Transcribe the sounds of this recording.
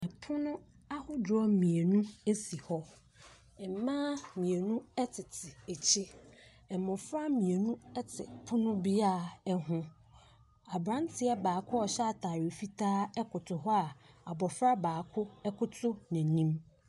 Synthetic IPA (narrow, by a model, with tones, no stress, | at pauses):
ɛ˨pʰʊ˦nʊ̃˦ | a˦hʊ˦dɔ˦mĩ˨e˨nũ˦e˦si˨hɔ˦ | ɛ˨m˨˦mã˦mĩ˨e˨nũ˦ɛ˦tʰɪ˨tʰɪ˨e˨t͡ɕʰi˦ | ɛ˨mʊ̃˨fɾa˦mĩ˨e˨nũ˦ɛ˦tʰɪ̰˨pʰʊ˦nʊ̃˦bi˦aː˦˨ɛ˦ɦʊ̃˦ | a˨bɾã˦n˦tʰɪ˨˦ɛ˦baː˨kʰʊ˦ɔ˨ɕɛ˦a˦˨tʰaː˨ɥɪ˨fi˦tʰaː˦ɛ˦kʰʊ˨tʰʊ˨ɦɔ˦a˨a˨bɔ˨fɾa˦baː˨kʰʊ˦ɛ˦kʰʊ˦tʰʊ˦næ̃˨nĩ˦m